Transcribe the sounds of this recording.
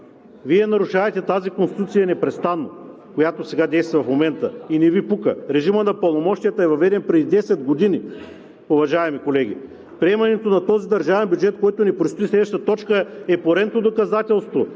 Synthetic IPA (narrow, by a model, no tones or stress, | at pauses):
viɛnɐɾuʃavɛt̪ɛt̪azikonst̪i̥t̪ut̪sijɐnɛpɾɛst̪anːo | kojat̪osɛɡad̪ɛjst̪vɐfmomɛnt̪əinɛvipukəɾɛʒimənɐpəlˠnomɔʃt̪ijət̪əɛvɐvɛd̪ɛnpɾɛd̪id̪ɛsɛd̪ɡod̪ini | ʊvɐʒaɛmikolɛɡʲḭ | pɾiɛmɐnɛt̪onɐt̪ɔzid̪ɐɾʒavɛnbʲjud͡ʒɛt̪kɔjt̪onipɾost̪oislɛd̪vəʃt̪ət̪ɔt͡ʃkəɛpoɾɛnt̪od̪okɐzat̪ɛlˠst̪vo